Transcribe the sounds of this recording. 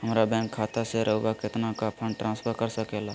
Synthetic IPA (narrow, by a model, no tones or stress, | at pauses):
ɦəmɾabɛ̃ːŋkʰːaːt̪aseɾʔəɦuwakɪt̪nakapʰə̃ɳɖʈɾʔãːnspʰəɾkəɾsɐkɛlaː